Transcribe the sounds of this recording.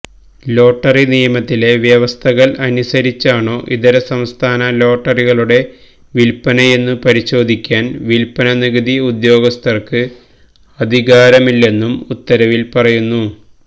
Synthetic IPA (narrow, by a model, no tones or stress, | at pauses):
lo̞ːʈːɐrinijɐmɐt̪ːile̞ʋjɐʋɐst̪ʰɐɣɐɭɐnusɐɾit͡ɕːaːɳo̞ːʔiðɐɾɐsɐmst̪ʰaːnɐlo̞ːʈːɐriɣɐɭuɽe̞ | ʋilpɐnɐje̞nːɨpɐɾiɕo̞ːd̪ʱikʲːaːnʋilpɐnɐniɣɐd̪iud̪jo̞ːɡɐst̪ʰɐrkɨ | ɐd̪ʱiɣaːɾɐmilːe̞nːumut̪ːɐɾɐʋilpɐrɐjunːu